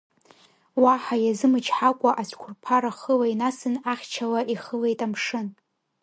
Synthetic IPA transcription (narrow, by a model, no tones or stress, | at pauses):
waħajazɨmɨt͡ʃʰħakʷʼaʔasʷʰkʷʰʊrpʰaɾaχəlainasɨnaχʲt͡ʃʰalaʔiχəle̞jtʼamʂɨn